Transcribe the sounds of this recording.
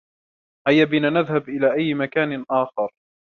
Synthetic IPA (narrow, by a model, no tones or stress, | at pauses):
hajːabinaːnaðhabʔɪlaːʔajːmakaːnɪʔaːxɑɾˤ